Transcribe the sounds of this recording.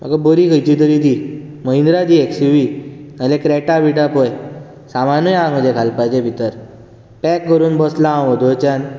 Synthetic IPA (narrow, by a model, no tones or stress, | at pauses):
m̤ə̰ɡabəɾikʰəjt͡ɕit̪̬əɾid̪i | məind̪ɾad̪ieksiʋinəlẽkɾɛʈabiʈapɔj | samanɔjãɡə̃d͡ʑekʰalpajd͡ʑebʱit̪əɾ | pɛkːəɾuːnbɔslãʋɔd̪ɔt͡ɕan